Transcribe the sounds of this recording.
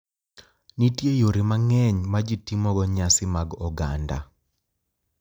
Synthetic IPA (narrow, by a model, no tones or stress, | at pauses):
nitjejoɾɪmaŋɛɲmad͡ʒitimɔɡɔɲasɪmaɡɔɡa̰nda̰